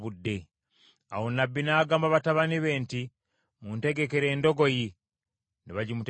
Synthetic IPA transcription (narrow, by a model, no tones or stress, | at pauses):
βudːe̞ | a̰wo̞nabːinaːɡaːmbaβataβaniβe̞ːnti | munte̞ɡe̞ke̞ɾe̞ːndo̞ɡo̞ji | niβaɟimut